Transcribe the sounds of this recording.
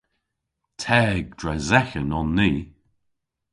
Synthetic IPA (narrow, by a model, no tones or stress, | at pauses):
tʰɛɡ̚d̥ɹɛzɛxənɔnːiː